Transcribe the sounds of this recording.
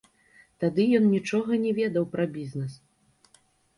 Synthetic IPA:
t̪ad̪ɨjɔnnʲit͡ʂɔɣɐnʲɛvʲɛd̪ɐwpɾɐbʲiznɛs

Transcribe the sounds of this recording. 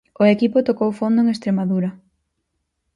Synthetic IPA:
ʊekipʊt̪okowfond̪ʊeŋest̪ɾemaðuɾɐ

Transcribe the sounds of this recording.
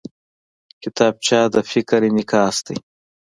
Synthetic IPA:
kɪt̪ɑːb̚t͡ʃɑːd̪əfɪkɾenɪkɑːst̪aj

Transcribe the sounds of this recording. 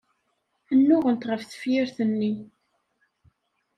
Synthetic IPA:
ənːʊʁənt̪ʁəfθə̥fjɪɾθənːi

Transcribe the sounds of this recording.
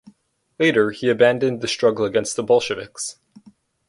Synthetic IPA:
leɪɾə˞iɨbæ̃ndɨ̃nðɨstɹ̥ʌɡl̩ˠəɡɛ̃nst̪̚ðəbʌlˠʃɨvɪ̰ks

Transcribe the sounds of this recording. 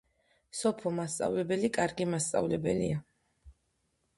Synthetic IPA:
sɔpʰɔmast̪sʼa̰vlɛbɛlikʼaɾɡimast̪sʼa̰vlɛbɛlḭa

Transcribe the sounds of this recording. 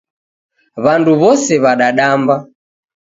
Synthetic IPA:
βanduβɔsɛβaɗaɗamba

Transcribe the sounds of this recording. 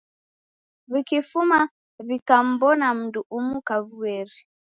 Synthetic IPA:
βikifuma | βikam̩bɔnam̩nduʔumukaβuɛɾi

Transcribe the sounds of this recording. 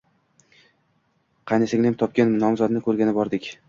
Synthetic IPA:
qʰɑjnasɪŋlamt̪ʰɒp̚kʲannɒmzɒd̪nɪkʰɵɾɡʲanɪbɒɾd̪ɪkʲ

